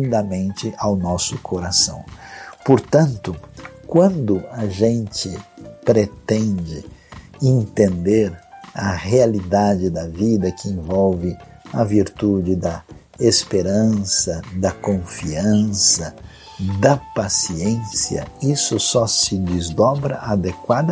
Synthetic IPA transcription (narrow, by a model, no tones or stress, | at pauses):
nd̪ɐmẽnt͡ʃɪʔawnɔsʊkʰoɾasɐ̰̃w̃poɾt̪ɐ̃nt̪ʊkwɐ̃nd̪ʊɐʒẽnt͡ʃɪpɾet̪ẽnd͡ʒɪ | ẽnt̪ẽnd̪eɾɐhealid̪ad͡ʒɪd̪ɐvid̪ɐkɪẽvɔwvɪ | ɐviɾt̪ud͡ʒɪd̪ɐ | espeɾɐ̃sɐd̪ɐkõfiɐ̃sɐ | d̪ɐpasiẽsjɐ̰isʊsɔsɪd͡ʒɪzd̪ɔbɾɐʔad̪ekwad̪ɐ